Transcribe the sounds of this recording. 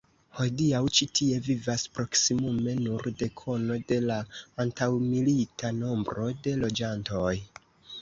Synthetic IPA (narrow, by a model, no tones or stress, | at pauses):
ho̞diawt͡ʃitʰie̞vivaspɾo̞ksimume̞nuɾde̞kʰo̞no̞de̞laːntawmilitano̞mbɾo̞de̞lo̞d͡ʒanto̞j